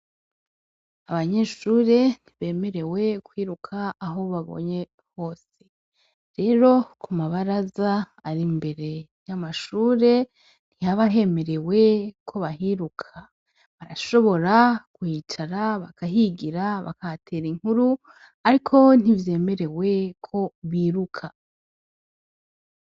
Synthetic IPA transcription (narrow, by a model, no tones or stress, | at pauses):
aβaɲe̞ʃuːɾe̞n̥iβe̞ːme̞ɾe̞we̞kwiːɾukʰaːɦo̞βaβo̞̰ɲe | ho̞ːs | e̞ | ɾe̞ːɾo̞kumaβaɾazaː | ɾimbe̞ɾe̞jamaʃuːɾe̞ | n̥ihaβaɦe̞me̞ɾe̞we̞kʰo̞βaɦiɾukʰa | βaɾaʃo̞βo̞ɾakwiːt͡ʃaɾaβakaɦiɡiɾaβa̰katʰe̞ɾiŋhuɾu | aɾikʰo̞n̥ivje̞ːme̞ɾe̞we̞kʰo̞βiːɾukʰa